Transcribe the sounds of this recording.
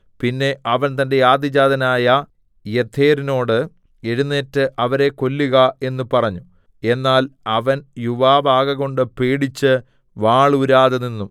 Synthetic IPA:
pinːe̞ʔɐʋɐnt̪ɐnde̞jaːd̪id͡ʑaːd̪ʱɐnaːjɐ | jet̪ʰːe̞ːɾino̞ːɽɨ | eɻunːeːtːɨʔɐʋɐɾe̞ko̞lːuɣɐe̞nːupɐrɐɲːu | e̞nːaːlɐʋɐnjuʋaːbaːɣɐɣo̞ɳɖɨpeːɽit͡ɕːɨ | ʋaːɭuɾaːðɐninːum

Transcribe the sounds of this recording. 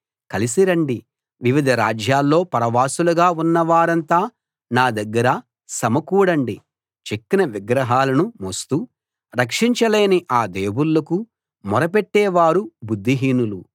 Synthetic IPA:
kɐlisiɾɐɳɖi | ʋiʋid̪ʱɐɾaːd͡ʒjaːlːo̞ːpɐɾɐʋaːsuluɡaːunːɐʋaːɾɐnt̪aː | naːd̪ɐɡːɐɾɐ | sɐmɐkuːɽɐɳɖi | t͡ʃekːinɐʋiɡɾɐɦaːlɐnumost̪u | ɾɐkʂiɲt͡ʃɐleːniʔaːd̪eːwulːɐku | mɔɾɐpeʈːɛːʋaːɾubud̪ʱːiɦiːnulu

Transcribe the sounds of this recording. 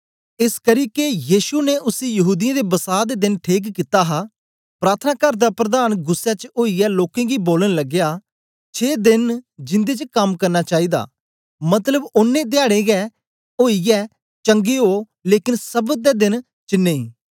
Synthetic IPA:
ɪskəɾiːkejiːsuneʔʊsiːjəɦuːd̪ɪjãːd̪eːbəsaːd̪eːd̪ɪnʈʰiːk̬kɪt̪aːɦaː | pɾaːt̪ʰnaːkəɾd̪aːpɾəd̪aːnɡʊsːɛːt͡ʃoːiɛːloːkẽːɡiːboːlənləɡjaː | t͡ʃʰeːd̪ɪnd͡ʒɪ̃nd̪eːt͡ʃəkəmkəɾnaːt͡ʃaːiːd̪a̰ː | mət̪ləbʊnːẽːd̪ɪjaːɽeːɡɛː | oːijɛː | t͡ʃəŋɡeːɦoː | leːkɪnsəbd̪ɛːd̪ɪn | t͡ʃɪnːẽːĩː

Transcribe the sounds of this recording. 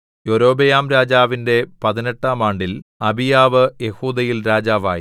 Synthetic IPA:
joɾo̞ːbejaːmɾaːd͡ʑaːʋinde̞pɐðineʈːaːmaːɳɖilɐbijaːʋɨje̞huːd̪ɐjilɾaːd͡ʑaːʋaːji

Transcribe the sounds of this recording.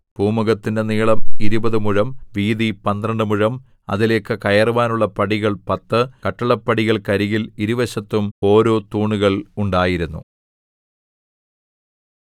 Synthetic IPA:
b̥uːmuɣɐt̪ːindeniːɭɐmiɾubɐðɨmuɻɐmʋiːðipɐnd̪rɐɳɖɨmuɻɐm | ɐ̰ðile̞ːkːɨkɐjɐruʋaːnuɭːɐpɐɽiɣɐɭpɐt̪ːɨkɐʈːɐɭɐpːɐɽiɣɐɭkɐɾiɣiliɾuʋɐɕɐt̪ːumo̞ːɾo̞ːt̪uːɳuɣɐɭuɳɖaːjiɾunːṵ

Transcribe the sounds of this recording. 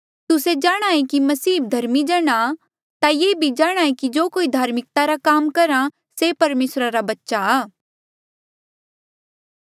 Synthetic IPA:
t̪ʊsed͡ʒaːɽ̃aːẽkimɐsiːd̪ʱɐɾmid͡ʒɐɽ̃a | t̪ajeːbʱid͡ʒaːɽ̃aːẽkid͡ʒoːkoːid̪ʱaːɾmɪk̚t̪aɾakaːmkɐɾã | sepɐɾmeːsɾaɾabɐtːʃaaː

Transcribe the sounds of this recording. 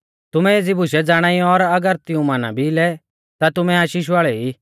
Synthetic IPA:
t̪ʊmɛ̃eːd͡zɪbʊsɛd͡zaːɽ̃aːiɔɾɐɡəɾt̪ɪũmaːnã̰bʱilɛ | t̪at̪ʊmɛaːʃiːʃ̬ʋaːɭɛi

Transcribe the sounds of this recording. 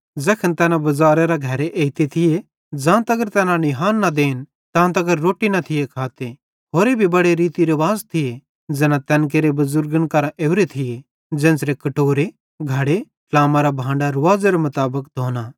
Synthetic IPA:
d͡zɛːkʰənt̪ɛːnãbɐzaːɾeɾaɡʱɐɾeʔeːit̪et̪ʰɪje | d͡ʒãːt̪ɐɡəɾt̪ɛːnãnɪɦaːnːad̪eːn | t̪ãːt̪ɐɡəɾːoːʈinɐt̪ʰɪjekʰaːt̪e | ɦoːɾebʱibɐɽeɾiːt̪iɾɐʋaːzt̪ʰɪje | d͡zɛːnãt̪ɛ̃ːnk̬eːɾebɐzʊɾɡənkɐɾãʔeːʊɾet̪ʰɪje | d͡ʒɛ̃ːnsɾekɐʈoːɾe | ɡʱɐɽe | klaːmaɾabʱãːɳɖaɾʊʋaːzeɾemɐt̪aːbəkd̪ʱoːna

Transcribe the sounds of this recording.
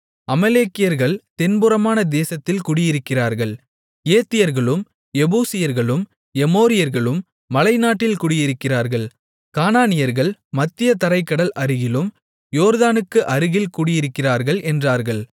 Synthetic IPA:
ɐmɐleːkːɪjɐɾɣɐɭt̪ɛnbɯɾɐmaːnɐd̪eːsɐt̪ːɪlkʊɽɪjɪɾɯkːɪraːɾɣɐɭ | eːt̪ːɪjɐɾɣɐɭɯm | ɛbuːsɪjɐɾɣɐɭɯm | ɛmoːɾɪjɐɾɣɐɭɯmː | ɐlɐɪnaːʈːɪlkʊɽɪjɪɾɯkːɪraːɾɣɐɭ | kaːnaːnɪjɐɾɣɐɭmɐt̪ːɪjɐt̪ɐɾɐɪkːɐɽɐlʔɐɾɯɣɪlɯm | joːɾðaːnɯkːɯʔɐɾɯɣɪlkuːɽɪjɪɾɯkːɪraːɾɣɐɭʔɛndraːɾɣɐɭ

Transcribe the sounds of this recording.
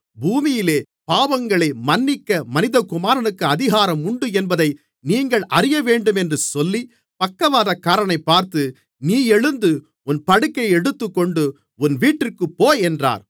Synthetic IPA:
buːmɪjɪleː | paːʋɐŋɡɐɭɐɪmɐnːɪkːɐmɐnɪðɐkʊmaːɾɐnɯkːɯɐðɪɣaːɾɐmʊɳɖɯɛnbɐðɐɪ | niːŋɡɐɭʔɐrɪjɐʋeːɳɖɯmɛndrɯsɔlːi | pɐkːɐʋaːðɐkːaːɾɐnɐɪpːaːɾt̪ɯ | niːɛɻɯnd̪ɯ | ʊnpɐɽɯkːɐɪɛɽɯt̪ːɯkːɔɳɖɯ | ʊnʋiːʈːɪrkɯpːoːjɛndra̰ːɾ

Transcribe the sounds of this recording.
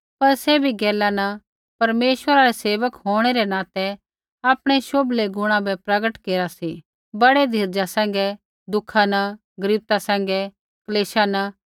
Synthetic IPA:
pɐɾsɛbʱiɡɛːlanɐ | pɐɾmeːʃʋəɾaɾɛseːʋəkɦoːɽ̃eɾɛnãːt̪ɛ | aːpɽ̃eʃoːbleɡʊɽ̃ãbɛpɾɐɡəʈkeːɾasi | bɐɽed̪ʱiɾd͡ʒasɛ̃ːŋ̆ɡɛ | d̪ʊkʰanɐ | ɡɐɾib̚t̪asɛ̃ːŋ̆ɡɛ | kɐleːʃana

